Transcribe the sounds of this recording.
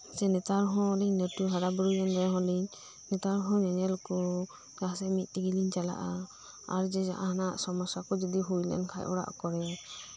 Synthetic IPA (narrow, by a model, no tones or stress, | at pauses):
sɛnɛt̪aɾɦɔ̃liɲnətuɦaɾabuɾujandɛɦɔ̃liɲ | nɛt̪aɾɦɔ̃ɲaɲɛlɔkɔ | ɡasɛmit̪̚ˀiɡiliɲt͡ʃala̰ʔa | aɾd͡ʒɛd͡ʒaʔahanaʔsɔmɔsakɔd͡ʒɔd̪iɦujlɛ̰nkʰajʔɔ̰ɾa̰ʔkɔɾɛ